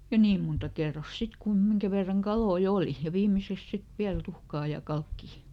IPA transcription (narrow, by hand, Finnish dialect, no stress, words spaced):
jɑ niːm muntɑ kerːos sit kun miŋkæ ʋerːɑŋ kɑloi oˑli jɑ ʋiːmiseks sit ʋiæl tuhkɑː jɑ kɑlkːiˑ